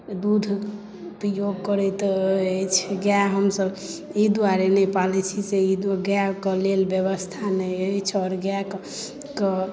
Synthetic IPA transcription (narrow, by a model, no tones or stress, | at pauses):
d̪ud̪ʱ | pɾjoɡkəɾɛt̪t͡ʃʰɛɡjaɦəmsəb | id̪uaɾenɛpalɛt͡ʃʰiseid̪ɡjakəlelbeβəst̪ʰanɛet͡ʃʰɔɾɡjak | kə